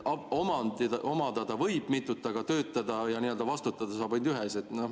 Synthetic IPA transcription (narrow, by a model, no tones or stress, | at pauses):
ɑomɑnd̪ʔomɑd̪̥ɑd̪̥ɑvɤjb̥mit̪ːˑut̪ːˑɑɡ̥ɑt̪ø̞ːt̪ːˑɑd̪̥ɑjɑniːø̞ld̪̥ɑvɑst̪ut̪ːˑɑd̪̥ɑsɑːbɑnd̪yɦese̞t̪ːno